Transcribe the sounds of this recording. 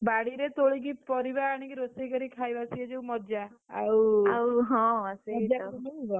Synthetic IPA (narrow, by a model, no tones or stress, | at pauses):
baɽiɾet̪oɭikipɔɾibaːɽ̃ikiɾosikɔɾikʰajbasiɔd͡ʒewmɔd͡ʒaawawɦɔ̃sɔd͡ʒamɔibɔ